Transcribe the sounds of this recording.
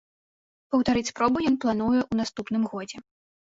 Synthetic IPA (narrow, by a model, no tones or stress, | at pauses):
pɐwt̪aɾɨt͡sʲspɾɔbujɔnplˠanujɛʔunast̪upn̪ɨmɣɔd͡zʲɛ